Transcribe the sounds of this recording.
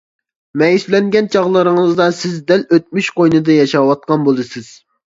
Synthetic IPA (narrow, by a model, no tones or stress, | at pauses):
mɛjislɛŋɡʲɛnt͡ʃʰɑʁlˠɨɾɨŋɨɨzd̪ɑsɪzd̪ɛløt̪̚myʃqojnɨd̪ɨjɑʃɑwɑt̪̚qɑnbolˠɨsɪz̥